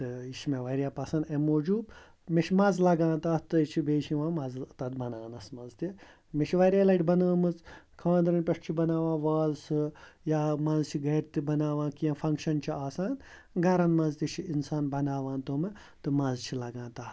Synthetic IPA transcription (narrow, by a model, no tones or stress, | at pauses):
t̪ɨiʃmeʋɐɾjaːpɐsɐnd̪emoːd͡ʒuːb | meʃimɐzlɐɡãːnt̪aːht̪ɨt͡ʃʰibeːʃĩʋãːmɐzt̪ɐd̪bɐnaːnɐsmɐzt̪i | meʃʰiʋɐɾjaːlɐjʈʲbɐnɐːmɨt͡s | kʰaːnd̪ɾɐnʲpʲɐʂt͡ʃʰibɐnaːʋãːʋaːzsɨjaːmɐnzt͡ʃʰiɡɐːɾt̪ibɐnaːʋãːkijɐ̃fʰɐŋkʃɐnt͡ʃʰiaːsaːn | ɡɐɾɐnmɐnzt̪ʲit͡ʃʰiinsaːnbɐnaːʋãːnt̪oːmɨ | t̪ɨmɐnzt͡ʃʰilɐɡãːnt̪aː